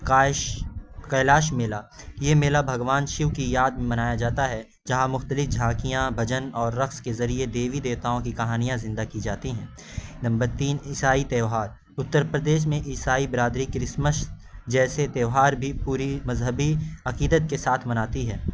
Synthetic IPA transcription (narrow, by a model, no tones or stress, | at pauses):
ka | kɐlaːʃ̬meːlajemeːlabʱɐɡʋaːnʃɪʋkijaːd̪̚mẽmɐnaːjad͡ʒaːt̪aɦɛ | d͡ʒɐɦãmʊxt̪əlɪfd͡ʒʱaːkijãbʱɐd͡ʒənɔːɾːɐxskezɐɾied̪eːʋid̪eːt̪aːõkikɐɦaːnijãzɪ̃nd̪akid͡ʒaːt̪iɦɛ̃ː | nɐ̃mbəɾt̪iːnɪsaːit̪eːʋɦaːɾ | ʊt̪ːəɾpɾəd̪eːʃ̬mẽʔɪsaːibɾaːd̪ɾikɾɪsməʃ | d͡ʒɛːset̪eːʋɦaːɾbʱipuːɾimɐzɦəbiɐqiːd̪ət̪̚kesaːt̪ʰmɐnaːt̪iɦɛː